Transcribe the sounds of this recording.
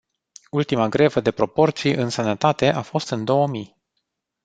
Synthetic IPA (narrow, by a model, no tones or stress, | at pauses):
ult̪imaɡɾe̞vəd̪e̞pɾo̞po̞rt̪sijʔɨnsənət̪at̪e̞ʔafo̞st̪ɨnd̪o̞wəmij